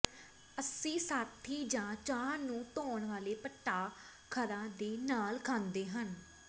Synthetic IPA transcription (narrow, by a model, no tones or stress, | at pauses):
əsĩːsaːt̪ʰːiːd͡ʒãːt͡ʃaːnũːt̪oːnʋaːleːpəʈːaː | kʰəɾãːd̪eːnaːlkʰãːnd̪eːɦən